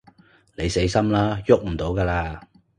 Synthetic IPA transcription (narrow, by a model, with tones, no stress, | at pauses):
ne˨˧jse˨˥jsɐ˥mlaː˥jʊ˥k̚m̩˨˩t̪o˨˥wkaː˧laː˧